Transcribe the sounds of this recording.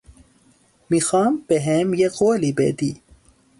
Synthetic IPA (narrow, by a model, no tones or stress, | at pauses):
mixɑːmbeɦemjeqoːlibḛd̪i